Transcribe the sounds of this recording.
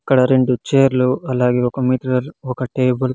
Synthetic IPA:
ɐkːɐɽɐɾe̞ɳɖut͡ʃeːɾluɐlaːɡeːɔkɐmiːʈɽɐɾɔkɐʈeːbɐl

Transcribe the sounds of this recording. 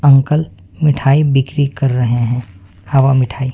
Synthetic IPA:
ɐ̃ŋkəl | mɪʈʰaːibɪkɾikɐɾːɐɦeɦɛ̃ː | haʋamɪʈʰaːiː

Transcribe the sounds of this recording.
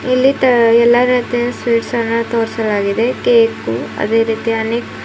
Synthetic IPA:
ilːit̪ɐɛlːɐɾɐt̪ɛjɐsʋiːɖsɐnːɐt̪oːɾsɐlaːɡid̪e̞keːkuɐ̰d̪e̞ːɾiːt̪iɐneːk

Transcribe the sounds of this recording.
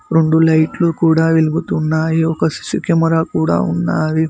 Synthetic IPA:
ɾoɳɖulɐjʈlukuːɽaːʋiluɡut̪unːaːjiɔkɐsi̥sikɛmɐɾaːkuːɽa̰ːunːaːɾi

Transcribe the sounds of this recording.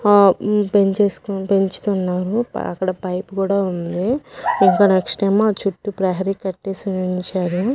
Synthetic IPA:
peɲt͡ʃeːsu̥kupeɲt͡ʃu̥t̪unːaːɾṵɐ̰kːɐɽɐpɐjpukuːɽaːund̪iiŋkaːnekʂʈeːmaːt͡ʃuʈːupɾɐɦɐɾikɐʈːeːsiniɲt͡ʃaːɾu

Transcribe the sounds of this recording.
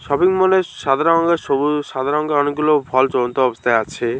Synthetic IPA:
ʃɔbiŋmoneʃad̪ʱaɾɔŋɡeɾʃobuʃad̪ʱaɾɔŋɡeɔneɡ̚ɡulobʱɔlt͡ɕɔd̪ont̪oɔbost̪ʰaeat͡ɕʰe

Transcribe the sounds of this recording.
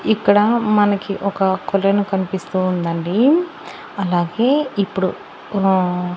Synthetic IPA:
ikːɐɽɐmɐnɐkiʔɔkɐkɔlɐnukɐnipist̪uːnd̪ɐɳɖi | ɐlaːɡe̞ːipːuɽu

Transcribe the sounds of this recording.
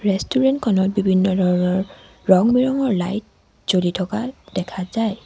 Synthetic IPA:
ɹɛstuɹɛntkʰɔnɔt̚bibʱinːɔdʱɔɹɔnɔɹː | ɔŋmiɹɔŋɔɹlajt̚ | z̥olitʰɔkad̥ɛkʰazaj

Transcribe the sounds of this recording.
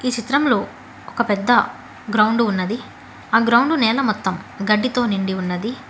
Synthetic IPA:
iːt͡ʃit̪ɾɐmlo̞ː | ɔkɐpɛd̪ːɐ | ɡɾɐwɳɖuːnːɐd̪i | aːɡɾɐwɳɖunɛːlɐmɔt̪ːɐmɡɐɖːit̪o̞ːniɳɖiunːɐd̪i

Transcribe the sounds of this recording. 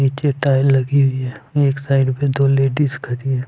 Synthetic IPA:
niːt͡ʃeʈaːɪlːɐɡiɦʊiɦɛːeːksaːɪɖped̪oːleːɖiskʰɐɾiɦɛː

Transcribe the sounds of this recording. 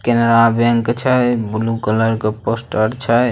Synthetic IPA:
kenɾabeŋkt͡ʃʰəbulukələɾkeposʈəɾt͡ʃʰə

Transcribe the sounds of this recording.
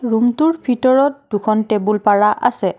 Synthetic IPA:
ɹumtuɹbʱitɔɹɔt̚d̥ukʰɔntebulpaɹaʔa̰sɛ

